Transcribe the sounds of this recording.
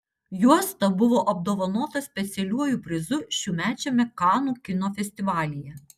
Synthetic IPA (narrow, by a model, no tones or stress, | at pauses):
juɔst̪ɐbʊʋoːʔɐb̚d̪oːʋɐnoːt̪ɐsʲpʲɛt̪sʲɛlʲuɔjuˑpʲɾʲɪzʊʃʲuːmʲæːt͡ʃʲɛmʲɛkɑːnuːkʲɪnoːfʲɛsʲt̪ʲɪʋɑːlʲɪjɛ